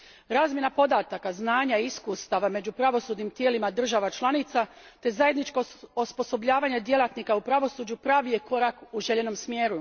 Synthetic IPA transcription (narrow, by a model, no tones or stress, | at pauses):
ɾaːzmje̞napo̞d̪aːt̪akaznaːɲaiskuːst̪aʋame̞d͡ʑupɾaʋo̞suːd̪nimt̪jeːlimad̪r̩ʒaʋat͡ʃlˠanit̪sa | t̪e̞zaje̞d̪nit͡ʃkoospo̞so̞bʎaːʋaɲed̪je̞lˠat̪nikaupɾaʋo̞suːd͡ʒupɾaːʋije̞ko̞ɾakuʒeʎeno̞msmjeːɾu